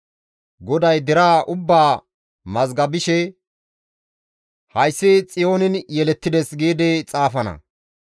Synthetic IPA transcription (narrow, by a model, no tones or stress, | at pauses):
ɡɔd̪ɐjd̪ɪɾaːʔʊbːaː | mɐzɡɐbɪʃɛ | hɐjsːɪt͡sʼɪjo̞ːnɪnjɛlɛt̪ːɪd̪ɛsɡeːd̪ɛt͡sʼaːfɐnɐ̰